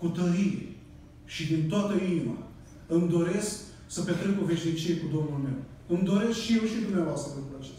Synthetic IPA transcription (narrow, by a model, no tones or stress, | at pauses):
kut̪əɾiḛ | ʃid̪int̪oat̪əinima̰ | ɨmd̪o̞ɾe̞sk | səpet̪ɾekove̞ʃnit͡ʃijekud̪o̞mnulme̞w | ɨmd̪o̞ɾe̞skʃijewʃt̪id̪umneavoast̪ɾəpenɾuat͡ʃe̥st̪